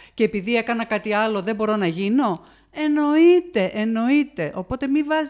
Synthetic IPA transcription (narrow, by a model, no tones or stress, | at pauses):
ce̞piðie̞kɐnɐkɐt̪iɐlo̞ðebo̞ɾo̞nɐʝino̞ | e̞no̞it̪e̞ʔeno̞it̪e̞ʔo̞po̞t̪e̞mivɐz